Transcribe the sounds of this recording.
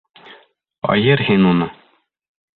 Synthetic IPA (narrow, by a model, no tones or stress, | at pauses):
ɒ̰jɤɾhinunɤ